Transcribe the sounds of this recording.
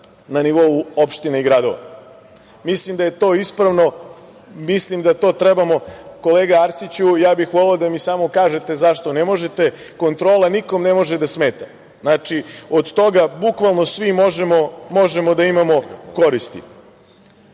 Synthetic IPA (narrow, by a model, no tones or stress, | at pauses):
naniʋo̞uo̞pʃt̪ineiɡɾad̪o̰ʋa̰ | mislimd̪aje̞t̪o̞ːispɾaʋno̞ | mislimd̪at̪o̞ːt̪ɾebamo̞ko̞leːɡaaɾt̪sit͡ɕujaːbixʋo̞leod̪amiːsaːmo̞kaːʒet̪e̞zaʃt̪o̞nemo̞ʒe̞t̪e̞ | ko̞nt̪ɾoːlaniko̞mnemo̞ʒed̪asme̞ːt̪a | znaːt͡ʃiod̪t̪o̞ɡabukʋalˠno̞sʋimoʒemomo̞ʒemo̞d̪aimamo̞ko̞ɾist̪ḭ